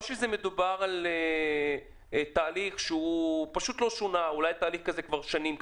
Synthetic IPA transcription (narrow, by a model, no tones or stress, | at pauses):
ʃezeme̞d̪ubaʁale | t̪aːliχʃeupaʃut̪lo̞ʃonaulajt̪aːliχkazekvaʁʃanimk